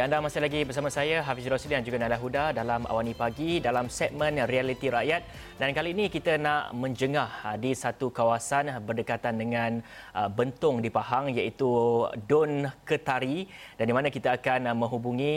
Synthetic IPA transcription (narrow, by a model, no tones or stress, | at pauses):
jandamasɪhlaɡibərsamasajaɦafisɾosəlidand͡ʒuɡanalaɦudadalama̰wanipaɡidalamsɛt̪̚mə̃nrialit̪iɾaʔjat̪̚ | dankaliːnĩkit̪ənaʔmə̃ɲd͡ʒəŋahdisat̪ukawasanbərdəkat̪andəŋãnbənt̪ʊŋdipaɦaŋjait̪udʊnkət̪aɾidandimanãkit̪aakanmə̃ɦubuŋĩ